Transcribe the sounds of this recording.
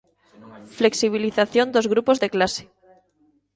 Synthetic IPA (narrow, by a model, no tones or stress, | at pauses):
fle̞ksiβ̞iliθaθjo̞nd̪o̞zɣɾupo̞zðe̞klase̥